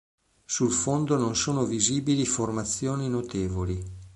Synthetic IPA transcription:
sulfond̪ononsoːnoviziːbiliformat̪sːjoːninot̪eːvoli

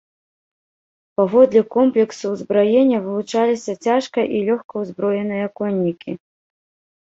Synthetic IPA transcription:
pavɔd̪lʲikɔmplʲɛksuzbɾɔjenʲːɐvɨlˠut͡ʂalʲisʲɐt͡sʲaʂkɐʔilʲɔxkɐwzbɾɔjɛnɨjɐkɔnʲːikʲi

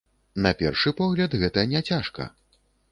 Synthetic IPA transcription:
nɐpʲɛ̰rʂɨpɔɣlʲɐd̪ɣɛt̪ɐjɐnʲɛt͡sʲaʂkɐ̰

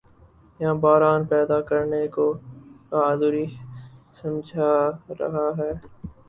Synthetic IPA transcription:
jɦãbaːɾaːnpɛːd̪akəɾnekokaːd̪uɾisɐ̃md͡ʒʱaɾɐ̰ɦaɦɛː

